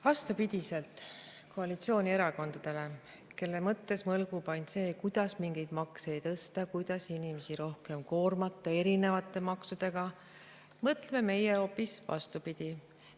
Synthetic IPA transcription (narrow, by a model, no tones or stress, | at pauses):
vɑst̪upid̪̥ʲise̞lt̪ˑ | ko̞ɑlit̪sio̞ːnʲie̞ɾɑko̞nd̪̥ɑd̪̥e̞le̞ | ke̞lːemɤt̪ːe̞smɤlɡ̥upɑnʲse̞ːkujd̪̥ɑsmiŋɡe̞jd̪̥mɑkseːjt̪ɤst̪ɑkujd̪̥ɑsinime̞siɾo̞hke̞mko̞ːrmɑt̪ːˑɑe̞ɾine̞vɑt̪ːˑe̞mɑksud̪̥e̞ɡ̥ɑ | mɤt̪ːˑleme̞me̞jeo̞pːisvɑ̰st̪upid̪̥ʲi